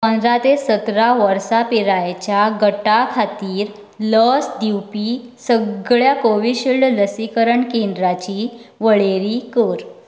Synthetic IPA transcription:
ɔnɾat̪esət̪ɾaʋəɾsapiɾajt͡ɕjaɡəʈakʰat̪iːɾ | ləsd̪iwpisəɡɭjakoʋiɕiɭɖləsikəɾəɳkẽnd̪ɾat͡ɕiʋəɭeɾikəɾ

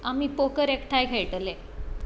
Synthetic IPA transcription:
amipokəɾekʈʰajkʰeɭʈəle

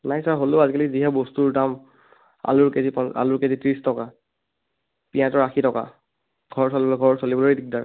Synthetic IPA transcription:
najsaɹɦoloazikaliziɦɛbostuɹdam | a̰lʊɹkezipɔna̰lʊɹkezitɹistɔka | piãtɔɹaxʰitɔka̰ | ɡʱɔɹɔsolibɔɡʱɔɹɔɹsolibɔlojidik̚daɹ

